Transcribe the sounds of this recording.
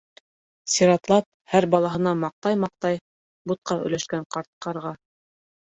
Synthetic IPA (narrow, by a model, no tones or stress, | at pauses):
sʲiɾɑt̪lˠɑp̚ | hæɾbɑlˠɑɦɤ̆nɑmɑq̚t̪ɑjmɑq̚t̪ɑj | but̪̚qɑɵ̰̆jlæʃkæɴqɑɾt̪̚qɑɾʁɑ